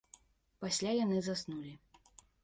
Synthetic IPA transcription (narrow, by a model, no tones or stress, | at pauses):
pasʲlʲajanɨzasnulʲi